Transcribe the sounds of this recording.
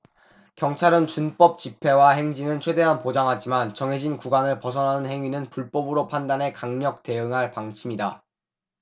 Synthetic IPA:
kjʌŋt͡ɕʰaɾɯnt͡ɕunp͈ʌp̚t͡ɕipʰe̞waɦe̞ŋd͡ʑinɯnt͡ɕʰwe̞de̞ɦanpod͡ʑaŋɦad͡ʑimant͡ɕʌŋɦe̞d͡ʑinkuɡanɯɭpʌsʰʌnɦanɯnhe̞ŋɥinɯnpuɭp͈ʌbɯɾopʰandanɦe̞kaŋɲʌk̚te̞ɯŋɦaɭpaŋt͡ɕʰimida

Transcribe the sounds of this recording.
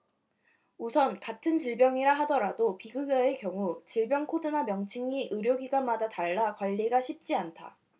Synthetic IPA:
usʰʌnkatʰɯnt͡ɕiɭbjʌŋiɾaɦadʌɾadopiɡɯɡʌe̞kjʌŋut͡ɕiɭbjʌŋkʰodɯnamjʌŋt͡ɕʰiŋiʔɯɾjoɡiɡanmadataɭːakwaʎːiɡaɕʰip̚t͡ɕ͈iantʰa̰

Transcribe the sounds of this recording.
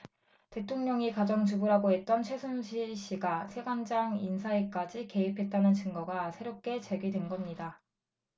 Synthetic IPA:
te̞tʰoŋɲʌŋikad͡ʑʌŋt͡ɕubuɾɦaɡoɦe̞t̚t͈ʌnt͡ɕʰwe̞sʰunɕʰiɕ͈iɡasʰe̞ɡand͡ʑaŋinsʰaek͈ad͡ʑike̞ipʰe̞t̚t͈anɯnt͡ɕɯŋɡʌɡasʰe̞ɾop̚k͈e̞t͡ɕe̞ɡɥidwenɡʌmɲida

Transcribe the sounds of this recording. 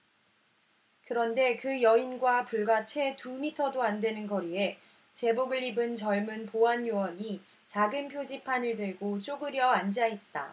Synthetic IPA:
kɯɾʌnde̞kɯjʌinɡwapuɭɡat͡ɕʰe̞tumitʰʌdoandwe̞nɯnɡʌɾie̞ | t͡ɕe̞boɡɯɭibɯnt͡ɕʌɭmunpoanjowʌɲi | t͡ɕaɡɯnpʰjod͡ʑipʰanɯɭdɯɭɡot͡ɕ͈oɡɯɾjʌand͡ʑaɦet̚t͈a̰

